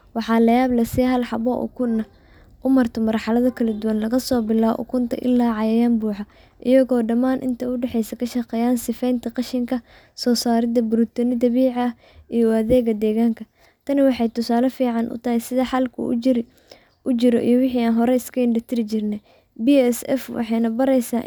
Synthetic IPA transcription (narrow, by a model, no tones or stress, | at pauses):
wɑħɑːlɐjaːblɐsiɦɐlħɑβɔ̰ʔʊ̰kʰʊɐ | ʔʊmɐrt̪ʰɔmɐrħɑlɐðɐkʰɐlɐd̪uwɐnlɐɣɐsɔːbɪla̰ːʔʊ̰kʰʊnt̪ʰɐ̰ʔɪ̰lːaːʕɑjɐjaːmbuːħɐ | ʔɪjɐɣɔːɖɐmaːnʔɪ̰nt̪ʰɐʊɖɛħɛjsɐkʰɐʃɐqɛːjaːnsɪfɛjnt̪ʰɐqɑʃɪŋkʰɐ | sɔːsaːɾɪðɐbʊɾʊt̪ʰɔnɪd̪ɐβiːʕɐ | ijɔɐðɛːɣɐd̪ɛːɣaːŋkʰɐ | t̪ʰɐnɪwɑħɑjt̪ʰʊsaːlɐfiːʕɑnʔʊ̰t̪ʰɐɦɪjsɪðɐħɑlkʰʊ̰ | ʊt͡ʃɪɾɔʔḭjɔwɪħiaːnɦɔɾɛɪskʰɐɪnɖɐt̪ʰɪɾɪt͡ʃɪrnɛ | biɛsɛ̰fwɑ̰ħɑjnɐbɐɾɛjsaː